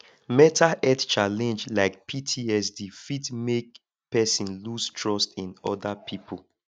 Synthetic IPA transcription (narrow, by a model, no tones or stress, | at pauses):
mɛtʰaʔɛtt͡ʃalɛ̃nd͡ʒlaɪk̚pʰitʰiɛs̬difitmek̚ | pɛsĩnlustʰɹɔstĩnɔdapʰipʰol